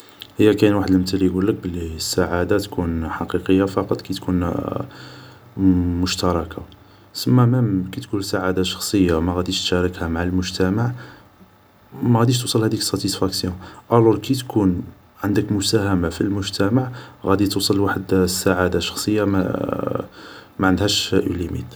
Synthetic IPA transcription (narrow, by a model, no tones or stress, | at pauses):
həjːækænwaħəd̪lmt̪əlːijɡulːək̚bəlisːaʕad̪at̪kʰunħɑqiqəjːafɑqɑt̪ˤkæjt̪kun | mʊʃt̪ɑɾˤɑkʰa | səmːæmæmkit̪kunsaʕad̪aʃɑ̥xsˤəjːamæɣæd̪iʃt̪ʃæɾˤəkhæmaʕəlmʊʒt̪æmaʕ | mæɣæd̪iʃ̬t̪usˤəlhæd̪ikə̥sˤːɑt̪isfæksjɔ̃ʔæluɾkit̪kʰun | ʕənd̪əkmʊsæhæmafḭlmʊʒt̪æmaʕɣæd̪it̪usˤɑlwaħəd̪sːaʕad̪aʃɑ̥xsˤəjːamæ̰ | mæʕənd̪hæʃʔṵlimḭt̪